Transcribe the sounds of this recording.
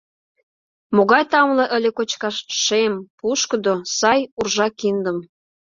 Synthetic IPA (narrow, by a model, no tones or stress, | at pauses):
moɣɑjt̪ɑmlɤ̆ʔə̆lʲĕkot͡ɕkɑʃʃempuʃkə̆d̪osɑjurʒɑkind̪ə̆m